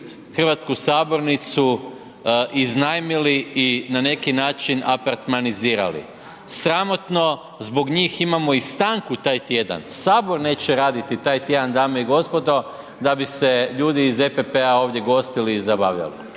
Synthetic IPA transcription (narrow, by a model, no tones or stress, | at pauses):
xrʋat̪skusaːbo̞ɾnit̪su | ʔiznajmiliinane̞kinaːt͡ʃinapaɾt̪maniziːɾa̰lḭ | sɾamo̞t̪no̞ | zbo̞ɡɲiːximamo̞ist̪aːŋkut̪aːjt̪je̞d̪a̰nsaːbo̞ɾne̞ːt͡ɕeɾaːd̪it̪it̪aːjt̪je̞d̪and̪aːmoiɡo̞spo̞d̪o̞ | d̪abise̞ʎuːd̪iːze̞pepeao̞ːʋd̪je̞ɡo̞st̪iliːzabaːʋʎa̰lḭ